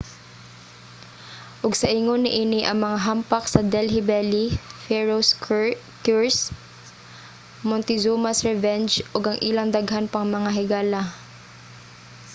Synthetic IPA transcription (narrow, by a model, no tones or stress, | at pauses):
ʔʊɡsɐʔɪŋonɪʔiːnɪʔɐŋmɐŋaɦampɐksɐd̪ɛlɦɪbɛlifɛɹos | kjuɹs | mɔnt̪ɪzuːmasɹɛvɛnd͡ʒʔoɡɐŋʔilɐŋd̪ɐɡɦanpɐŋmɐŋaɦɪɡaːla